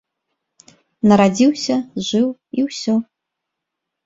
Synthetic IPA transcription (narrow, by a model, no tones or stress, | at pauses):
nɐɾad͡zʲiwsʲɐʒɨwiwsʲo